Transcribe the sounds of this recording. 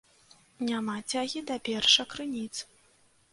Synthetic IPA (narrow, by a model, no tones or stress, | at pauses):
nʲamat͡sʲaɣʲid̪ɐpʲɛrʂɐkɾɨnʲit̪s